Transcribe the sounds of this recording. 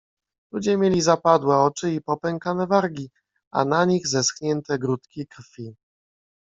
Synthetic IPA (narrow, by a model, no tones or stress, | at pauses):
lud͡ʑɛmʲjelʲizapad̪wɛɔt͡ʂɘipɔpɛŋkanɛvaɾɡʲi | a̰naɲiɣzɛsxɲɛnt̪ɛɡɾut̪kʲikɾfʲi